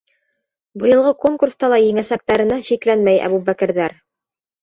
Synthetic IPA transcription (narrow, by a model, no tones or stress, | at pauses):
bɤ̆jɤ̆lˠʁɤkoŋkurst̪ɑlˠɑjɘŋæsæp̚t̪æɾɘ̆næɕiklænmæjæ̰bubækɘ̆ɾðæɾ